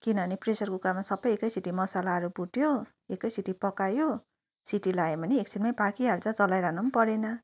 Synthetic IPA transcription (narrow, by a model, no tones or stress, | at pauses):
kinʌʌnipresʌrkokuɾamasʌbːʌjekʌjsiʈimʌsalaɦʌɾubuʈjo | ekʌjsiʈipʌkajo | siʈilaebʌniek̚sʰiʈmajbakiɦaɾut͡sʌ̃t͡sʌlajɾaknunpʌɾenʌ